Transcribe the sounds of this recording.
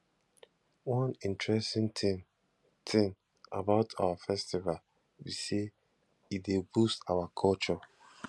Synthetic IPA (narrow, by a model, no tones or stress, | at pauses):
wʌ̃nĩntʰɹɛstĩŋti | tʰɪ̃n | a̰baʊtʰawafɛstival | wise | idebustawakʰɔlt͡ʃɔ